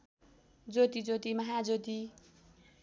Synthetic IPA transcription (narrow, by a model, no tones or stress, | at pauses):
d͡zot̪id͡zot̪imʌɦad͡zot̪i